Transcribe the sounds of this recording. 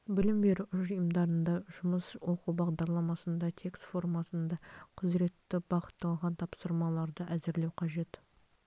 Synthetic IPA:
bɪlɪmbe̞ɾʊʒəjəmd̪ɑɾənd̪ɑʒ̥ʊməswo̞qubɑʁd̪ɑɾlˠɑmɑsənd̪ɑt̪ʰe̞kst̪fo̞rmɑsənd̪ɑqʰəzɾe̞t̪ːɪbɑqə̥t̪ːɑlˠʁɑnt̪ʰɑpsəɾmɑlˠɑɾd̪əʔæzɪɾle̞wqʰɑʒe̞t̪

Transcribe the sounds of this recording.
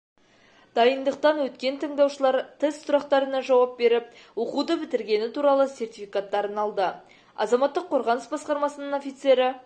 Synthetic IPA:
d̪̥ɑjənd̪əq̚t̪ɑnwɵt̪kʲe̞nt̪ʰəɴd̪ɑwʃəlˠɑɾt̪ʰest̪sʊɾɑqt̪ɑɾənɑʒɑwɑp̚be̞ɾɪp̚ | woqud̪əbɪt̪ɪɾɡʲe̞nɪt̪uɾɑlˠəse̞rt̪ijfijkat̪ːɑɾənɑlˠd̪ə | ɑ̰zɑmɑt̪ːəqʰːo̞ɾʁɑnəsbɑsqɑɾmɑsənəno̞fijt̪se̞ɾɪ

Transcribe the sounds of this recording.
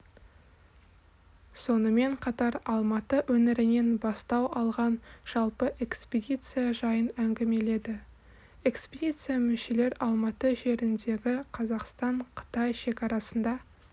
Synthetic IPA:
so̞nəme̞ɴqʰɑt̪ɑɾɑlˠmɑt̪əwɵnɪɾɪne̞nbɑst̪ɑwɑlˠʁɑnʒ̥ɑlˠpəʔe̞kspʲed̪ʲit̪sɨjaʒɑjənæŋɡʲeme̞le̞d̪ɪ | e̞kspʲed̪ʲit̪sɨjamʏʃe̞le̞ɾɑlˠmɑt̪əʒe̞ɾɪnd̪e̞ɡʲɪqʰɑzɑqst̪ɑɴqʰə̥t̪ɑjʃe̞kɑɾɑsənd̪ɑ

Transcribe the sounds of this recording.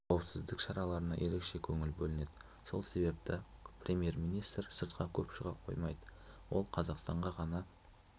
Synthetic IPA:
qʰɑwəpsɪzd̪ɪkʃɑɾɑlˠɑɾənɑ̰je̞ɾe̞kʃe̞kʲʰɵŋɪlbɵlɪne̞d̪ɪ | so̞lˠse̞be̞p̚t̪ɪprʲe̞mje̞ɾmijnijst̪rsəɾt̪qʰɑkʲʰɵpʃəʁɑqʰo̞̰jmɑjd̪əwo̞̰lˠqʰɑzɑqst̪ɑɴʁɑʁɑnɑ

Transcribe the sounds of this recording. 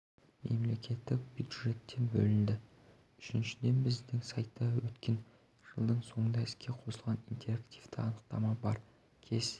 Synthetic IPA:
me̞mle̞kʲe̞t̪ːɪk̚bʲjud̪ʒe̞t̪ːe̞nbɵ̰lɪnd̪ɪ | ʏʃɪnʃɪd̪e̞nbɪzd̪ɪŋsɑjt̪ːɑwɵt̪kʲe̞n | ʒ̥əlˠd̪əɴso̞ɴənɑɪskʲʰe̞qʰo̞səlˠʁɑnint̪e̞ɾakt̪ijvt̪ɪɑnəqt̪ɑmɑbɑɾ | kʲʰe̞s

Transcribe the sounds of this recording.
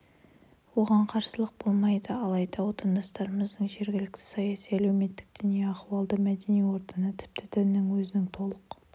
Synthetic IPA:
wo̞ʁɑɴqʰɑɾsəlˠəq̚bo̞lˠmɑjd̪əɑlˠɑjd̪ɑwo̞t̪ɑnd̪ɑst̪ɑɾəməzd̪əɴʒe̞ɾɡʲɪlɪk̚t̪ʰɪ̥sɑjɑsijælæwme̞t̪ːɪ̥k̚d̪̥ʏnijeɑχuwɑlˠd̪əmæd̪e̞nijwo̞ɾt̪ənət̪ʰɪ̥p̚t̪ɪd̪ʰænːɪŋwɵzɪnɪŋt̪ʰo̞lˠəq

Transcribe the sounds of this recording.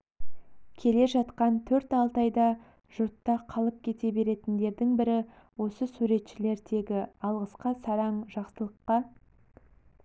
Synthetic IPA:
kʲʰe̞le̞ʒɑt̪qɑnt̪ʰɵɾt̪ɑlˠt̪ɑjd̪ɑ | ʒ̥ʊɾt̪ːɑqʰɑlˠəp̚kʲʰe̞t̪e̞be̞ɾe̞t̪ɪnd̪e̞ɾd̪ɪŋbɪɾɪ | wo̞səsuɾe̞t̪ʃɪle̞ɾd̪e̞ɡʲɪɑlˠʁəsqɑsɑɾɑɴʒɑqsəlˠəqːɑ

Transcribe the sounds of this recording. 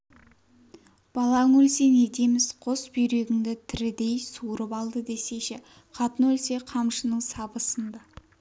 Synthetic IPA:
b̥ɑlˠɑŋɵlsene̞d̪emɪzqʰosbʏjɾeɡʲɪŋd̪ɪt̪ʰɪɾɪd̪e̞jsuɾəpɑlˠd̪əd̪e̞se̞ʃɪ | qʰɑt̪ənwɵlse̞qʰɑmʃənəɴsɑbəsənd̪ɑ

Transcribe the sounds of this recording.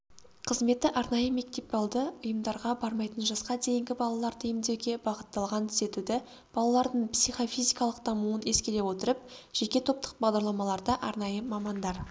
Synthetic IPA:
qʰəzme̞t̪ːɪʔɑɾnɑjəme̞k̚t̪e̞p̚bɑlˠd̪əʊjəmd̪ɑɾʁɑbɑɾmɑjt̪ənʒɑsqɑd̪e̞jɪŋɡʲɪbɑlˠɑlˠɑɾd̪ʰejɪmd̪e̞wɡʲe̞bɑʁət̪ːɑlˠʁɑnt̪ʰʏ̥ze̞t̪ud̪ɪ | b̥ɑlˠɑlˠɑɾd̪əɴpsijχo̞fijzijkɑlˠəq̚d̪ɑmuəne̞skʲele̞wo̞t̪əɾəpʒ̥e̞kʲe̞t̪ʰo̞p̚t̪ʰə̥q̚bɑʁd̪ɑɾlˠɑmɑlˠɑɾd̪ɑʔɑɾnɑjəmɑmɑnd̪ɑɾ

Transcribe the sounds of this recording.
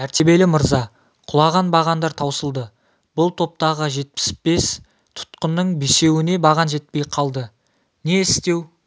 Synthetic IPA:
æɾt̪e̞be̞lɪməɾzɑ | qʰʊlˠɑʁɑnbɑʁɑnd̪ɑɾt̪ʰɑwsəlˠd̪ə | b̥ʊlˠt̪ʰo̞p̚t̪ɑʁəʒe̞t̪̚pɪ̥sbe̞s | t̪ʰʊ̥t̪qənːəɴbese̞wɪne̞bɑʁɑnʒe̞t̪̚pe̞jqʰɑlˠd̪ə | ne̞ɪst̪e̞w

